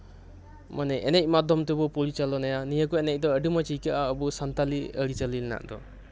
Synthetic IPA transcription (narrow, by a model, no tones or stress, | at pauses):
mʔanɛʔɛnɛc̚ˀmad̪ʱɔmt̪ebɔpuɽit͡ʃalɔnajanijəkɔɛnɛc̚ˀd̪ɔəɖimat͡ʃikaʔaəbusant̪aliəɽit͡ʃalilna̰ʔd̪ɔ